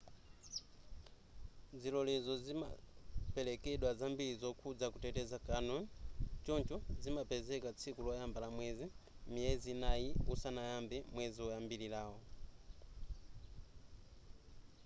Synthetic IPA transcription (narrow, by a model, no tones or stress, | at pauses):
d͡zilɔlɛzɔzima̰pɛlɛkɛɗwazambilizɔkʰud͡zakutɛtɛzakanɔnt͡ʃɔnt͡ʃɔzimapɛzɛkat͡sʰikulɔjambalamwɛzimijɛzinajiusanajambɛmwɛziɔjambililaːwɔ